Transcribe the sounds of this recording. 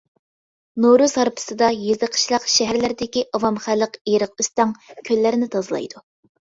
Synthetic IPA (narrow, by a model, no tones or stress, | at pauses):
noɾuzhɑɾpʰɨ̥sɨd̪ɑjezəqʰə̥ʃlˠəqʃɛɦæɾlɪɾɪd̪ɪkʲiʔɑwɑmχælːəqeɾəq̚yst̪ɑŋkʲʰølːɪɾɪnɪt̪ʰɑzɨlˠɑ̰jd̪u